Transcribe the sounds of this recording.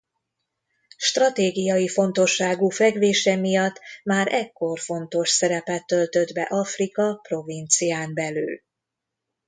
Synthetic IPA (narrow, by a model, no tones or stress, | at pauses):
ʃt̪rɒt̪eːɡijɒjifo̞nt̪o̞ʃːaːɡuːfɛɡʋeːʃɛmijɒt̪ːmaːɾʔɛkːo̞rfo̞nt̪o̞ʃsɛɾɛpɛt̪ːø̞lt̪ø̞d̪bɛ̰ʔɒfrikɒpro̞vint̪sijaːmbɛly̰ːl